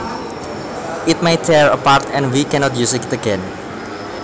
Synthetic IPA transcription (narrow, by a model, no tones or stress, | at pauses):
ʔit̪̚majt̪ʰɛɹəpaɾt̪ɛ̃nwikɛnɔt̪jusɪktəɡɛ̃n